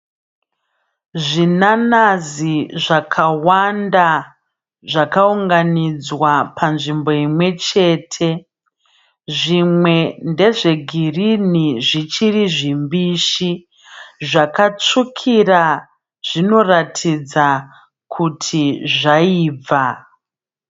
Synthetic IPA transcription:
ʐinanaziʐakʰawanda | ʐakauŋɡanid͡zwapʰanʐimbo̞imwe̞t͡ʃe̞ːtʰe̞ | ʐimwe̞nde̞ʐe̞ɡʱiriniʐit͡ʃiriʐimbiʃi | ʐakat͡ʂukʰira | ʐ̥ino̞ratʰid͡za | kʰutʰiʐaiːb͡va

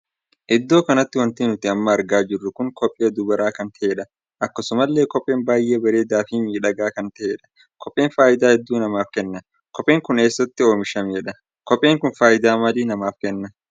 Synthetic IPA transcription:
ʔɪd̪ːo̞ːkɐnɐt̪ːɪwɐnt̪iːnʊt̪ɪɐmːɐːɾɡaːd͡ʒɪrːʊkʊŋkɔpʼːeːd̪ʊbɐɾaːkɐnt̪ɐʔe̞ːᶑɐ | ʔɐkːɐsʊmɐlːe̞ːkɔpʼːe̞ːnbaːjʔe̞ːbɐɾe̞ːd̪aːfiːmiːᶑɐɡaːkɐnt̪ɐʔeːᶑɐ̥ | kʰɔpʼːeːnfaːʔɪd̪aːhɛd̪ːuːnɐmaːfkɛnːɐ | kɔpʼe̞ːŋkʊne̞ːsːɐt̪ːɪo̞ːmɪʃɐmeːᶑɐ | kɔpʼːeːŋkʊnfaːʔɪd̪aːmɐliːnɐmaːfkɛnːɐ

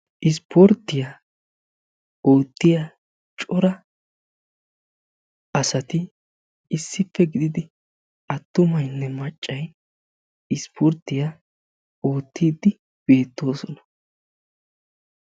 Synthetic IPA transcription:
ʔɪspʰɔɾt̪ːɪja | o̞ːt̪ːɪja | t͡ʃʼɔɾɐ | ʔɐsɐt̪ɪː | sːɪfːɛɡɪd̪ɪd̪ɪ | ʔɐt̪ːʊmɐjnːɛmɐt͡ʃʼːɐj | ɪspʰɔɾt̪ːɪja | o̞ːt̪ʰːiːd̪ɪ | b̥e̞ːt̪ːo̞ːsɔnɐ̥

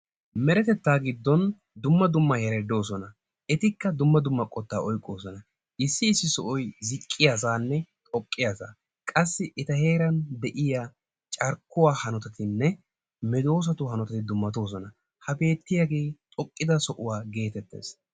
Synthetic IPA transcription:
mɛɾɛt̪ɛt̪ːaːɡɪd̪ːɔn | d̪ʊmːɐd̪ʊmːɐhɛɾɛd̪o̞ːsɔnɐ | ʔɛt̪ɪkːɐd̪ʊmːɐd̪ʊmːɐkʼɔt̪ːaːʔɔjkʼːo̞ːsɔnɐ | ʔɪsːɪːsːɪsɔʔɔjzɪkʼːɪjaːs̬aːnːɛt̪ʼɔkʼːɪjaːsa̰ː | kʼɐsːɪɛt̪ɐhe̞ːɾɐnd̪ɛʔɪjaː | t͡ʃʼɐɾkːʊwaːhɐnɔt̪ɐt̪ɪnːɛ | mɛd̪o̞ːs̬ɐt̪ʊhɐnɔt̪ɐt̪ɪd̪ʊmːɐt̪o̞ːs̬ɔnɐ | hɐbe̞ːt̪ːɪjaɡe̞ːt̪ʼɔkʼːɪd̪ɐsɔʔʊwaːɡe̞ːt̪ɛt̪ːe̞̰ːs

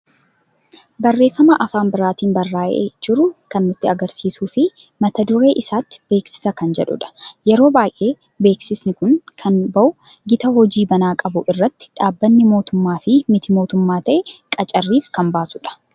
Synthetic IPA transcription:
bɐrːe̞ːfːɐmɐʔɐfaːmbɪɾaːt̪iːnbɐrːaːʔḛd͡ʒɪɾʊkɐnːʊt̪ːɪɐɡɐɾsiːsuːfɪ | mɐt̪ɐd̪ʊɾe̞ːʔɪsaːt̪ːɪ̥b̥e̞ːksɪ̥sɐkɐnd͡ʒɛᶑʊ̰ᶑɐ̥jɛɾo̞ːbaːjʔe̞ː | be̞ːksɪsnɪkʊnkʰɐnbɐʔʊ | ɡɪt̪ɐhɔd͡ʒiːbɐnaːkʼɐbʊʔɪrːɐt̪ːɪ̥ᶑaːbːɐnːɪmo̞ːt̪ʊmːaːfɪmɪt̪ɪmo̞ːt̪ʊmːaːt̪ɐʔɛkʼɐt͡ʃʼɐrːiːfkɐmbaːsʊᶑɐ̥

